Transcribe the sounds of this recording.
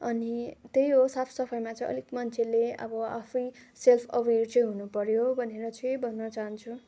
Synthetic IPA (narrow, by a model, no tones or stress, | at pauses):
ʌnit̪ejɦosapʰsʌpʰʌjmat͡sʌ̃j̃ʌ̰likmʌnt͡sʰeleʌ̰bʌapʰʌjselpʰʌwert͡sʌ̃j̃ɦunupʌɾjobʱʌneɾʌt͡sʌ̃jbʱʌnːʌt͡saɦʌnt͡sʰu